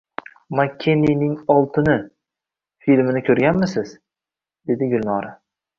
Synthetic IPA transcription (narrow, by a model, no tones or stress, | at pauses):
makʲʰːeninɪŋɒlˠt̪ʰɪnɪ | filmɪnɪkʲʰɵɾɡʲanmɪsɪz̥ | d̪̥e̞d̪ɪɡʲʊlnɒɾa